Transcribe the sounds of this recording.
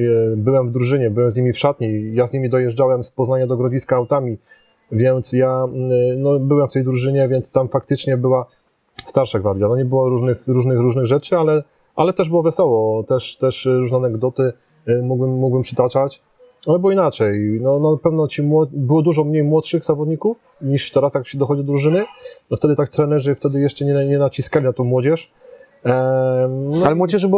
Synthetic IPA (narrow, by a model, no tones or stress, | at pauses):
bɘwɛmvd̪ɾuʐɘɲɛbɘwɛmzɲimʲifʂat̪ɲejazɲimʲid̪ɔjɛʐd͡ʐawɛmspɔznaɲad̪ɔɡɾɔd͡ʑiskaːwt̪amʲi | vʲjɛnt̪sjanɔbɘwɛmft̪ɛjd̪ɾuʐɘɲɛvʲjɛnt̪st̪amfak̚t̪ɘt͡ʂɲɛbɘwa | st̪aɾʂaɡvaɾd̪janɔɲɛbɘwɔɾuʐnɘxɾuʐnɘxɾuʐnɘɣʐɛt͡ʂɘalɛ | ʔalɛt̪ɛʐbɘwɔvɛsɔwɔt̪ɛʂt̪ɛʂɾuʐnɛanɛɡd̪ɔt̪ɘ | muɡbɘmːuɡbɘmpʂɘt̪at͡ʂat͡ɕ | alɛbɘwɔinat͡ʂɛjnɔnapɛvnɔt͡ɕimwɔbɘwɔd̪uʐɔmɲejmwɔt̪ʂɘɣzavɔd̪ɲikuf | ɲiʂt̪ɛɾasjakɕɛd̪ɔxɔd͡ʑid̪ɔd̪ɾuʐɘnɘɔft̪ɛd̪ɘt̪ak̚t̪ɾɛnɛʐɘft̪ɛd̪ɘjɛʂt͡ʂɛɲɛɲɛnat͡ɕiskalʲinat̪ɔ̃w̃mːwɔd͡ʑɛʂ | nɔalɛmwɔd͡ʑɛʐb